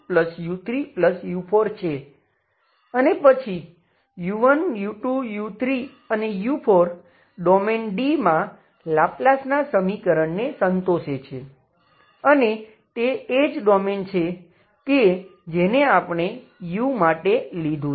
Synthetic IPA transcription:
pləsjut̪ɾipləsjupʰoɾt͡ʃʰe | ənepət͡ʃʰi | juʋənjuʈujut̪ʰɾi | ənejupʰoɾ | ɖɔmenɖimã | laplasnasəmikəɾəɳnesənt̪oʃet͡ʃʰe | əne | t̪eːd͡ʒɖɔment͡ʃʰe | ked͡ʒeneapəɽ̃e | jumaʈelid̪ʱũ

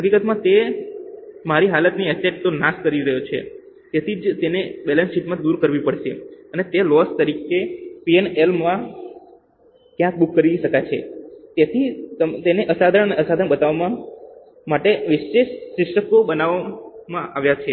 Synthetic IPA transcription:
ɦəkikət̪mãt̪e | maɾiɦalət̪niɛseʈ̚t̪onaskəɾiɾəɦjot͡ʃʰḛ | t̪et̪ʰid͡ʒt̪enebɛlənsiʈmãd̪uɾkəɾʋipəɽʃḛənet̪elɔst̪əɾikepienelmã | kjãk̚bukːəɾiiʃəkajt͡ʃʰḛt̪jet̪ʰit̪ət̪eneʔəsad̪ʱəɳəneəsad̪ʱəɳbət̪aʋamã | maʈeʋɪʃeʃːɾɪʃəkobənaʋamãʔaʋjat͡ʃʰe

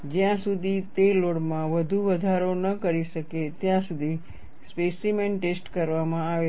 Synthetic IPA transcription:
d͡ʒjãsud̪ʱit̪eloɽmãʋəd̪ʱuʋəd̪ʱaɾonəkəɾiʃəket̪jãsud̪ʱi | spesimenʈesʈkəɾʋamãaʋe

